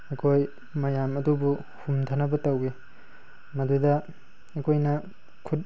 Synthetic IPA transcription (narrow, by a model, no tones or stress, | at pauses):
ekʰoj | mɐjamɐdubu | humtʰanɐbɐtɐwe | mɐdudɐ | ekʰojnɐ | kʰut̚